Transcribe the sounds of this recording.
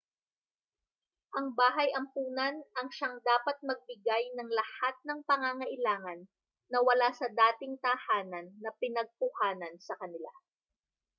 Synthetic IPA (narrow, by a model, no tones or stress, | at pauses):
ʔɐŋbaːɦɐjɐmpuːnɐnɐŋʃaŋd̪aːpɐt̪̚mɐɡ̚bɪɡajnɐŋlɐhat̪̚nɐŋpɐŋaŋɐʔɪlaːŋɐnː | ɐwɐlasɐd̪aːt̪ɪŋt̪ɐhaːnɐnːɐpɪnɐɡ̚pʊhaːnɐnsɐkɐnɪla̰